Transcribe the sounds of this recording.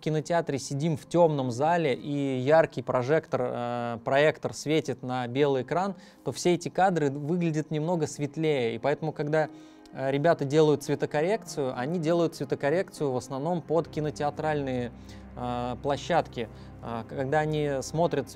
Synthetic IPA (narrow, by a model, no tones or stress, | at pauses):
kʲɪnətʲɪat̪ɾʲɪsʲɪdʲimftʲo̞mnəmzalʲɪʔijarkʲɪjpɾɐʐɛkt̪ərəpɾɐekt̪ərsʲvʲetʲɪt̪nəbʲe̞lˠɨjɪkɾan | t̪o̞fsʲeɛtʲɪkad̪ɾɨvɨɡlʲɪdʲɪt̪nʲɪmno̞ɡəsvʲɪt̪lʲejəipɐɛt̪əmʊkɐɡd̪a | ɾʲɪbʲat̪ədʲe̞lˠəjʊt̪svʲɪt̪əkɐɾʲe̞k̚t̪sɨjʊʔɐnʲidʲe̞lˠəjʊt̪svʲɪt̪əkɐɾʲe̞kt̪sɨjʊvəsnɐvno̞mpot̪kʲɪnətʲɪɐt̪ɾalʲnɨj | əplˠɐɕːat̪kʲɪ | əkɐɡ̚d̪aɐnʲismo̞t̪ɾʲət̪